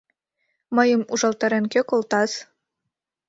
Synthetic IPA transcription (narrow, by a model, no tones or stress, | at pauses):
mɤjəmuʒɑlˠt̪ɑɾenkøkolt̪ɑs